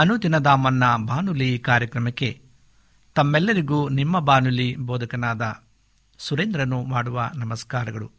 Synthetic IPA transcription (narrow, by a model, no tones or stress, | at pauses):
ɐnut̪inɐd̪aːmɐnːɐbaːnulikaːɾjɐkɾɐmɐkːe̞ | t̪ɐmːɛlːɐɾiɡuːnimːɐbaːnuliboːd̪ɐkɐnaːd̪ɐ | suɾeːnd̪ɾɐnːumaːɽuʋɐnɐmɐskaːɾɐɡɐɭṵ